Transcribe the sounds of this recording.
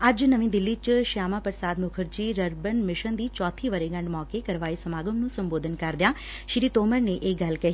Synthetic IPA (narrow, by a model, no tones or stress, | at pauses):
ɐd͡ʒnəʋĩːd̪ɪlːiːt͡ʃʃaːmaːpəɾsaːd̪mʊkʰəɾd͡ʒiːɾəɾbənmɪʃənd̪iːt͡ʃɔːt̪ʰiːʋəɾeːɡɐ̃ɳɖmɔːkekəɾʋaːisəmaːɡəmnũːsəmboːd̪ʱənkɐɾd̪ɪjãː | ʃɪɾiːt̪oːməɾneʔeːɡɐlkəɦ